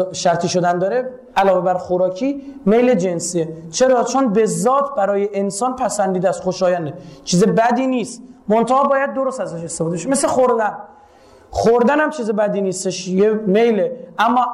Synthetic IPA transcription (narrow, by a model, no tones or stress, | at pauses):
ʃæɾt̪ʰiːʃo̞d̪ænd̪ɒːɾe | ælɒːve̞bæɾxoɾɒːcʰiːme̞jle̞d͡ʒe̞nsiːet͡ʃʰe̞ɾɒːt͡ʃʰonbe̞zːɒːt̪ʰbæɾɒːjeʔensɒːnpʰæsænd̪iːd̪æst̪χoʃɒːjænd̪et͡ʃʰiːzebæd̪iːniːst̪mont̪ʰæhɒːbɒːjæd̪̚ːo̞ɾost̪æzæʃest̪ebɔd̪eeʃmesexoɾd̪æn | χoɾd̪ænhæmt͡ʃʰiːzebæd̪iːnist̪eʃjeme̞jleʔæmːɒː